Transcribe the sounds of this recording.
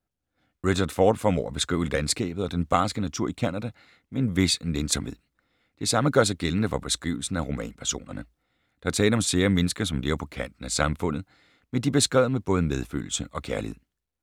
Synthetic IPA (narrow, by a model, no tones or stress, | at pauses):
ʁiɕɑɐd̥fɒːd̥fɒmɒ̰ːæb̥e̝sɡ̥ʁḭːʊəlænsɡ̥ɛ̰ːb̥ð̩ˠɒ̽d̥enb̥ɑ̈ːsɡ̥ənæt͡sʰuɐ̰ikʰænæd̥æ | mee̝nʋe̝snensɒ̽mhe̝ð̰ˠ | d̥e̝sɑ̈məɡ̥ɶɐ̰s̬ɑ̈ɪɡ̥eln̩əfɒ̽b̥e̝sɡ̥ʁḭːʊl̩sn̩æʁo̝mɛ̰ːnpʰæɐso̝̰ːnɐnə | d̥ɑɑt͡sʰɛːləɒ̽mse̝ːɐmenəsɡ̥ɐsɒ̽mle̝ːɐpʰɒ̽kʰæn̰d̥n̩æsɑ̈mfɔ̽n̰ð̞̩ˠ | mend̥ib̥e̝sɡ̥ʁɛ̰ːʊ̰meb̥ɔ̽ːð̞ˠəmeð̞ˠfø̰ːl̩səʔɒ̽kʰæɐlihe̝ð̰ˠ